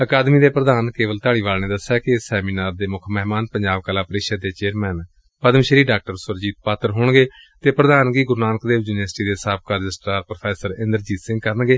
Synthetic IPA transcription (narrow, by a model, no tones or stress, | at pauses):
əkaːd̪miːd̪eːpɾəd̪aːnkeːʋəlt̪aːɽiːʋaːlneːd̪əsɛːkɪsɛːmiːnaːɾd̪eːmʊkʰmɛɦmaːnpəɲd͡ʒaːb̚kəlaːpəɾɪːkʃəd̪eːt͡ʃeːɾmɛːn | pəd̪əmʃəɾiːɖaːk̚ʈəɾsʊɾd͡ʒiːt̪̚paːt̪əɾɦoːɳɡeː | t̪eːpɾəd̪aːnɡiːɡʊɾnaːnkd̪eːd͡ʒuːnəsʈiːd̪eːsaːb̚kaːɾɪd͡ʒɪsʈaːɾpɾopʰɛːsəɾɪ̃nd̪əɾd͡ʒiːt̪sɪ̃ŋɡkəɾənɡeː